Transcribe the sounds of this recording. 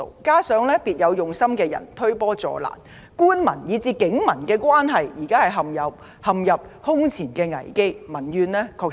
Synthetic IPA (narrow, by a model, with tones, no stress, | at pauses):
kaː˥sœː˨˥ŋlɛː˥piː˨t̚jɐ˨˧wjʊ˨˩ŋsɐ˥mkɛː˧jɐ̰˨˩nt̪ʰɵ˥ɥpɔː˥t͡sɔ̰ː˨la̰ː˨˩n | kuː˥nmɐ˨˩njiː˨˧t͡siː˨˧kɪ˨˥ŋmɐ˨˩nkɛː˧kwaː˥nɦɐ˨jjiː˨˩kaː˥hɐ˨jɦɐ˨mjɐ˨p̚ | hɐ˨mjɐ˨p̚hʊ˥ŋt͡sʰiː˨˩nkɛː˧ŋɐ̰˨˩jke˥jmɐ˨˩njyː˧nlɛː˥kʰɔː˧k